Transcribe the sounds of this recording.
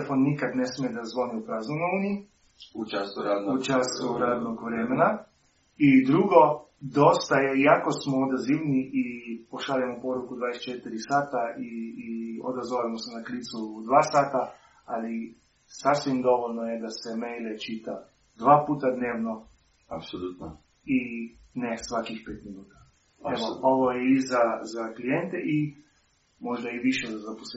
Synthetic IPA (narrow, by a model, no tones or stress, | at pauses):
fonːikad̪nesmijed̪azʋo̞niupɾaːznojnouːnii | ut͡ʃasuɾaut͡ʃasuɾad̪noɡʋɾemena | id̪ɾuɡo̞ | d̪o̞st̪ajejako̞smood̪aziʋniʔipoʃalemopo̞ɾukud̪ʋaːd̪ese̥t͡ʃet̪iɾisaːt̪ai | o̰d̪azʋolimosenaklit̪sud̪ʋaːsaːt̪a | ali | sasʋimd̪o̞ʋolnojed̪asemejlet͡ʃit̪a | d̪ʋaːpuːt̪ad̪neːʋno | apsolut̪o | i | nesʋakixpeːt̪minuːt̪ḁ | eʋooʋojeizazaklijent̪eʔi | mo̞ʒd̪aiʋiʃezazapose